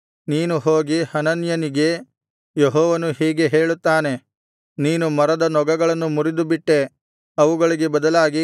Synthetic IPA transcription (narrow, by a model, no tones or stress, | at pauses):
niːnuɦoːɡihɐnɐnjɐniɡe̞ | jeɦɔːʋɐnuhiːɡe̞ɦe̞ːɭut̪ːaːne̞ | niːnumɐɾɐd̪ɐnɔɡɐɡɐɭɐnːumuɾid̪ubiʈːe̞ | ɐʋuɡɐɭiɡe̞bɐd̪ɐlaːɡi